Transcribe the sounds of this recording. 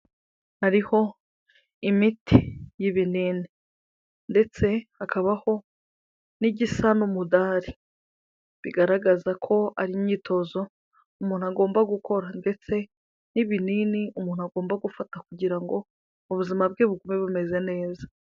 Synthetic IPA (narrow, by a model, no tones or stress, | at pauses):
aɾiho̞ | imitʰijiβiniːni | nde̞t͡se̞akʰaβaho̞ | niɟisanumudaːɾi | βiɡaɾaɡazakʰo̞a̰ɾiɲiːtʰo̞zo̞ | umuːnuaɡo̞ːmbaɡukʰo̞ɾande̞t͡se̞ | niβininiumuːn̥uaɡo̞ːmbaɡufatakuɟiɾaŋɡo̞ | uβuzimab̚ɡeːβuɡumeβume̞ze̞ne̞ːza